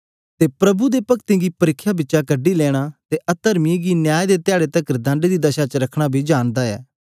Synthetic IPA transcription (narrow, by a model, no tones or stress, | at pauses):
t̪epɾɐbud̪epɐkt̪ĩɡipɐɾɪkʰːjabɪtːʃakəɖːilɛːɽ̃aːt̪eʔɐt̪əɾmiɡinjaːjd̪et̪ɪaːɽet̪ɐkɾd̪ãːɳɖed̪id̪ɐʃat͡ʃɾɐkʰɽ̃abʱid͡ʒaːnd̪aɛ̰ː